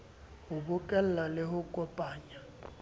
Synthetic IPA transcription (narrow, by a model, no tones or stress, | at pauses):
hʊbʊkʼɛl̩lalɪhʊkʼɔpʼaːɲa